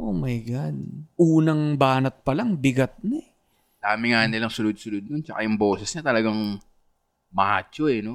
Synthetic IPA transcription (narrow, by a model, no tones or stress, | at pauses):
ʔomɐjɡɐd̪ʔuːnɐŋbaːnɐt̪̚pɐlaŋbɪɡɐt̪̚nɐ | d̪̥aːmɪŋaːnɪlɐŋsʊlʊd̪̚sʊlʊd̪̚nʊnt͡ʃɐkajʊŋbo̞ːsɛsɲɐt̪ɐlɐɡaŋ | mɐaʔa̰ːt͡ʃoɛno